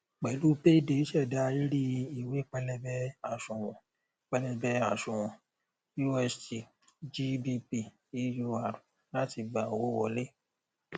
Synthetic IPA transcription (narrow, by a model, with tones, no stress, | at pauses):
k͡pɛ˨lu˦pe˦de˨˦ʃɛ˦˨da˨˦˧i˦ɾi˦i˨we˨˦k͡pɛ˧lɛ˧bɛ˦a˨ʃũ˨w̃ɔ̃˨ | k͡pɛ˧lɛ˧bɛ˧a˨ʃũ˨w̃ɔ̃˨ | ju˦ɛ˧sti˨ | d͡ʒi˦bi˧pi˧ | i˦ju˧a˨ɾ | la˦ti˧ɡ͡ba˨wo˦wɔ˧le˦